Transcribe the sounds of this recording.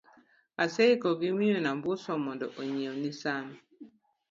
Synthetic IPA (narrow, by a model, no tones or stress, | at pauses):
aseikɔɡimionambʊsɔmɔndɔ̰ʔoɲeonisanɔ